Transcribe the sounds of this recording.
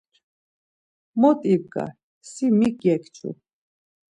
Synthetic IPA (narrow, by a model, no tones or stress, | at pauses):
mɔt̪ʼib̚ɡa̰ | simikjɛkʰt͡ʃʰṵ